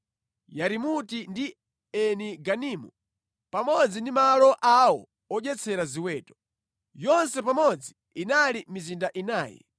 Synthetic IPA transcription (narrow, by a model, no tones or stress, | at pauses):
jaɾimutindi | ɛniɡaniːmṵ | pamɔd͡zindimalɔʔawɔ̰ | ɔʄɛt͡sʰɛɾaziwɛːtɔ̥ | jɔnsɛpamɔd͡zi | inalimizindaʔinaːjɛ̰